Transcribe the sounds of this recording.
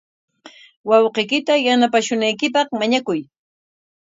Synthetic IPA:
wɑwqejkɪt̪ajanapaʃʊnajkɪpɑχmaɲakʊj

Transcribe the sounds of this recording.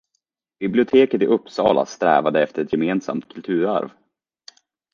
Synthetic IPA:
b̥ɪblɪʊt̪ʰeːkət̪ɪʔɵpːsɑ̰ːlʔa̰st̪ɾɛ̰ːvad̪əɛft̪əɾɛt̪jɛmeːnsa̰mt̪̚kʰɵlt̪ʰʉ̟ːɾa̰ɾv

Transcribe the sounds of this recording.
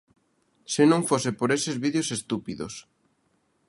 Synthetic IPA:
sɪnõŋfosepoɾesezβiðjosest̪upiðo̰s

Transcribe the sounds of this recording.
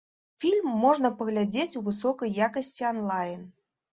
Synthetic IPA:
fʲilʲmːɔʐnɐpəɣlʲad͡zʲet͡sʲuvɨs̬ɔkəjːakəsʲt͡sʲiɔnlˠajn

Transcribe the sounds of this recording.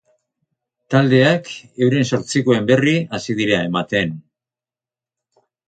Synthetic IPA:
t̪ald̪e̞ake̞wɾenso̞ɾt͡siko̞e̞mbe̞riasiðiɾae̞mat̪e̞n

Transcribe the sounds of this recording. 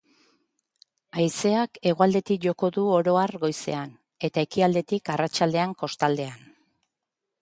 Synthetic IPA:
ajse̞ake̞ɣ̞oald̪e̞t̪ikʝo̞ko̞ðuoɾo̞arɣo̞jse̞̰an | e̞t̪ae̞kiald̪e̞t̪ikarat͡ʃald̪e̞aŋko̞st̪ald̪e̞an

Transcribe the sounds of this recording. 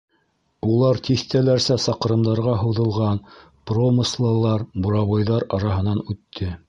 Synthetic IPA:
ulˠɑɾt̪ʰiθt̪ælæɾsæsɑq̆ɾɤ̆md̪ɑɾʁɑɦɤ̆wðɤ̆lˠʁɑn | promɤslˠɤ̆lˠɑɾbuɾɑβɑjðɑɾɑɾɑɦɤ̆nɑnʉt̪ʰːɘ

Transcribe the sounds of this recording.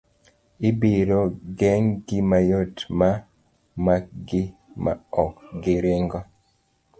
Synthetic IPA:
ibiɾoɡɛŋɡɪmajotma | makɡɪma̰ɔkɡɪɾeŋɡɔ

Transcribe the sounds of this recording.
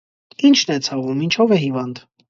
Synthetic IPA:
int͡ʃʰnɛt͡sʰɑvumint͡ʃʰɔvɛɦivɑnd̪

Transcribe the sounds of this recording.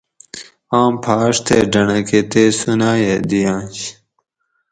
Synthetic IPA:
ãːmpʰaːʂt̪ʰeːɖɐnɐket̪eːsunaːjed̪ijãːɕ

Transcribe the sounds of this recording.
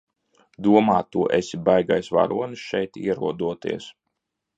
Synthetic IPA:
d̪uɔmaːt̪ːuɔʔesʲibajɡajsva̰ɾṵɔnisʃɛjt̪ḭɛɾuɔd̪uɔt̪ḭɛs

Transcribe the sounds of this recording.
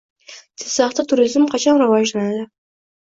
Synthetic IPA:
t̪ʰe̥sɑχt̪at̪ʰuɾizmqʰɑt͡ʃʰɑnɾavɑʒlanad̪ɪ

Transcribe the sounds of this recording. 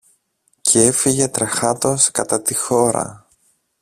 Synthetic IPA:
cʰee̞fiʝe̞t̪ɾɐxɐt̪o̞skɐt̪ɐt̪ixo̞ɾɐ̰

